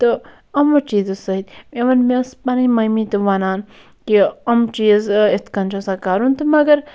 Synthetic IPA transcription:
t̪ɨ | ɐmʋɐt͡ʃiːzɨsɐid̪eʋɐnmespɐnɐmɐjmiːt̪ɨʋɐnaːn | kiɐmt͡ʃiːzet̪kɐnt͡ʃosaːkaːɾunt̪ɨmɐɡɐɾ

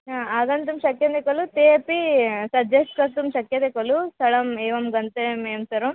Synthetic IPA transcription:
naaːɡɐnt̪umʃɐkjɐnd̪ekolut̪episɐd͡ʒesʈkɐt̪umʃɐkjɐnd̪ekolusɐɽɐmiːʋɐmɡɐnt̪emeːmsɐɾum

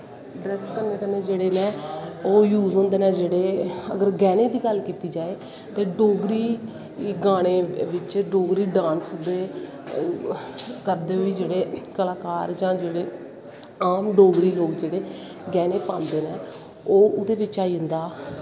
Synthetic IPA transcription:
ɖɾɛskəɾneːkəneːd͡ʒeːɽeːnɛ̃ːoːjuːzõːnd̪eːnɛ̃ːd͡ʒeːɽeːə̰ɡəɾɡɛːneːd̪iːɡəlkiːt̪iːd͡ʒaːeː | t̪eːɖoːɡɾiː | ɡaːɽ̃eːʋɪt͡ʃɖoːɡɾiːɖãːnsd̪eː | kəɾd̪eːoiːd͡ʒeːɽeːkəlaːkaːɾd͡ʒãːd͡ʒeːɽeː | aːmɖoːɡɾiːloːɡd͡ʒeːɽeː | ɡɛːneːpãːnd̪eːnɛ̃ː | oːʊd̪eːʋɪt͡ʃaːiənd̪aː

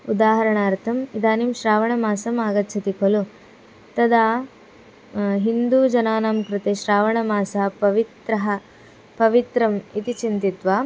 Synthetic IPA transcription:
ud̪aːɦɐɾɐɳaːɾt̪ʰɐmid̪aːnimʃɾaːʋɐɳɐmaːsɐmaːɡɐt̪ːt͡ʃʰɐt̪ikʰolu | t̪ɐd̪aː | ɦind̪uːd͡ʒɐnaːnaːmkɾɪt̪eːʃɾaːʋɐɳɐmaːsɐɦɐpɐʋit̪ɾɐɦɐ | pɐʋit̪ɾɐmit̪it͡ʃint̪it̪ʋaː

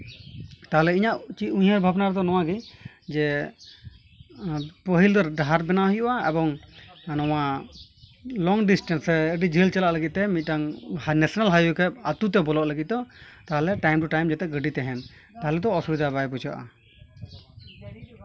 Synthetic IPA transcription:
t̪aɦɛlɛiɲaʔt͡ʃiuɲhəɾbʱabnaɾɛd̪ɔnɔw̃aɡi | d͡ʒɛ | pəɦild̪ɔɾɖaɦaɾbɛnaɦujuʔaɛ̰bɔŋnɔwa | lɔŋɖisʈɛnsɛəɖid͡ʒʱilt͡ʃalaʔləɡit̪̚t̪ɛmit̪̚ˀʈaŋhnɛsɔnalɦajukʰɛp̚at̪ut̪̬ɛbɔlɔʔləɡit̪̚d̪ɔt̪aɦlɛʈajmʈuʈajmd͡ʒɛt̪ɛʔɡəɖit̪ɛɦɛn | t̪aɦlɛd̪ɔːsubid̪ʱabajpud͡ʒaʔa̰

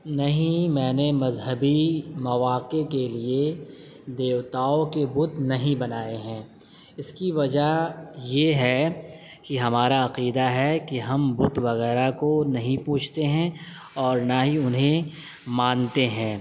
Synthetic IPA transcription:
nɐɦĩmɛ̃ːnemɐzɦəbimɐʋaːqekelie | d̪eːʋt̪aːokebʊt̪nɐɦĩbɐnaːeɦɛ̃ː | ɪskiʋɐd͡ʒajeɦɛ | kiɦɐmaːɾaɐqiːd̪aɦɛkiɦɐmbʊt̪ʋɐɣɛːɾakonɐɦĩpuːt͡ʃʰt̪eɦɛ̃ | ɔːɾnaɦiʊnɦẽ | mãːnt̪eɦɛ̃ː

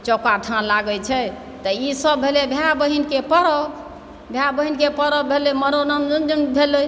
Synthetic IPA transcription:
t͡ʃɔkaʈʰãlaɡɛt͡ʃʰɛ | t̪ɔisəbʱelebʱjabəɦinkepəɾɔ | bʱjabəɦinkepəɾɔbʱeleməɾonənd͡ʒənd͡ʒənbʱele

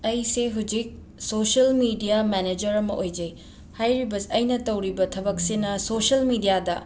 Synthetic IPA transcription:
ɐjseɦud͡ʒik̚ | sosɐlmidijamɛned͡ʒɐɾɐmɐʔojd͡ʒɐj | hajɾibɐsɐjnɐtɐwɾibɐtʰɐbɐk̚sinɐsosɐlmidijadɐ

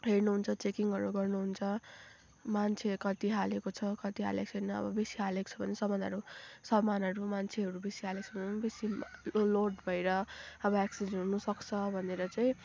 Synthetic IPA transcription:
ɦernuɦunt͡sʰʌt͡sekiŋɡʌɾuɡʌrnuɦunt͡sʰʌ | mant͡sʰekʌt̪iɦalekot͡sʰʌkʌt̪iɦa̰lek̚t͡sʰʌjnʌʌ̰bʌbesiɦaleko̥t͡sʰʌbʱʌnesʌmʌnd̪ʱʌɾusʌmːanʌɾumant͡sʰeɦʌɾubesiɦalekt͡sʰʌbesiloɖbʱʌjɾʌʌbʌaksid͡zenɦunusʌkt͡sʰʌbʱʌneɾʌt͡saĩ

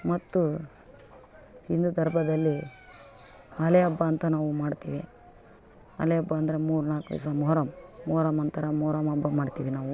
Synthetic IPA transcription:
mɐt̪ːu | hind̪ud̪ʱɐɾbʱɐd̪ɐlːi | ɐleɐbːɐːnt̪ɐnaːʋumaːɖt̪ḭːʋḭ | ɐ̰leɐbːɐːnd̪ɐɾe̞muːɾnaːkʋḭsɐmɔɦɾɐmːɔːɾɐmɐnt̪ɐɾɐmɔːɾɐmɐbːɐmaːɖt̪iːʋinaːʋu

